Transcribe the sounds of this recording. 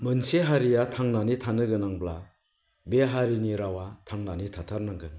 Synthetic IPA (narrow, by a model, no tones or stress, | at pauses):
mɯnseɦaɾijatʰaŋnanitʰanɯɡɯnaŋbla | beɦaɾiniɾawatʰaŋnanitʰatʰaɾnaŋɡɯn